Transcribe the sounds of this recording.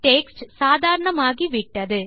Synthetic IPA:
ʈeːksʈsaːðʱaːɾɐɳɐmaːɣiʋɪʈːɐðɯ

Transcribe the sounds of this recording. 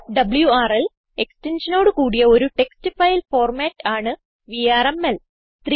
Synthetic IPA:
ɖɐbɨljuaːrel | e̞kstenʂɐnoːɽɨkuːɽijɐo̞ɾuʈe̞kstifɐjlfo̞ːrmaːtːaːɳɨ | ʋijaːremel | t̪r

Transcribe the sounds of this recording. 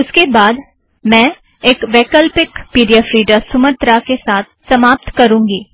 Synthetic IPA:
ʊskebaːd̪ | mɛ̃ː | eːkʋeːkəlpɪkpiːɖijafɾiːɖasʊmət̪ɾakesaːt̪̚ʰsɐmaːp̚t̪kɐɾũːŋɡiː

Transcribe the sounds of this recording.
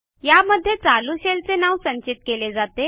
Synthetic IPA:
jaməd̪ʱːjet͡saluɕelt͡senaʋsəɲt͡ɕit̪̚keled͡zat̪e

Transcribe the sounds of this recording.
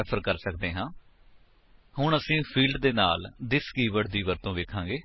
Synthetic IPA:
əpʰəɾkəɾsəkd̪eːɦãː | ɦʊɳəsĩːpʰiːlɖd̪eːnaːld̪ɪskiːʋəɽ̚d̪iːʋəɾt̪õːʋeːkʰãːɡeː

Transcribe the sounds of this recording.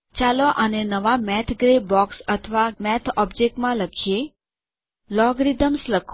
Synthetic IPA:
t͡ʃaloʔənenəʋamɛt̪ʰɡɾebɔksət̪ʰəʋamɛt̪ʰɔbd͡ʒek̚ʈmãləkʰije | lɔɡɾid̪əmsləkʰ

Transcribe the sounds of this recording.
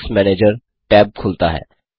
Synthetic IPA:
smɛːneːd͡ʒəɾ | ʈɛːb̚kʰʊlt̪aɦɛ̰ː

